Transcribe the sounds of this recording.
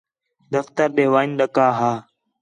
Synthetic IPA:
d̪əft̪əɾɗeːʋaːinɗəkaːɦaː

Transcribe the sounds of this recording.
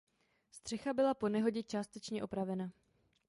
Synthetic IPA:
st̪r̝̥ɛxabɪlapo̞nɛɦo̞ɟɛt͡ʃaːst̪ɛt͡ʃɲɛʔo̞pɾavɛna

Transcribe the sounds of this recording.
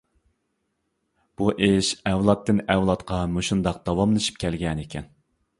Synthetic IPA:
b̥uʔeʃɛvlˠɑt̪ːɨnɛwlˠɑt̪qʰɑmoʃund̪ɑq̚d̪ɑwɑmlˠɨʃi̥p̚kʲʰɛlɡʲɛnekʲʰɛn

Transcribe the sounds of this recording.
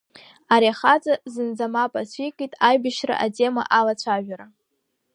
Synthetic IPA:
aɾiaχat͡sʼazɨnd͡zamapʼasʷʰikʼitʼajbɨʃra̰ʔatʰʼe̞ma̰ʔalat͡ɕʷʰaʒᶣaɾa

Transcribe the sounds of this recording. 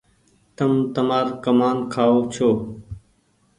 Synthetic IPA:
t̪əmt̪əmaːɾkəmaːnkʰaːoːt͡ʃʰoː

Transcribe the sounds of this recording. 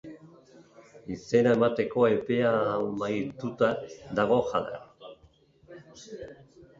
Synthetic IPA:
ise̞naemat̪e̞ko̞e̞pe̞amajt̪ut̪ad̪aɣ̞o̞xa̰ða̰

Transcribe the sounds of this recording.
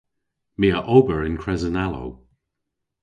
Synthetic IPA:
miːəʔoːbəɹɪnkʰɹɛzənalo̰w

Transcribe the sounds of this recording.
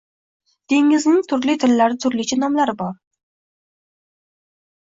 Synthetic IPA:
d̪̥e̞ŋɪznɪŋt̪ʰʊɾlɪt̪ʰɪlːaɾɪt̪ʰʊɾlɪt͡ʃʰanɒmlaɾɪbɒɾ

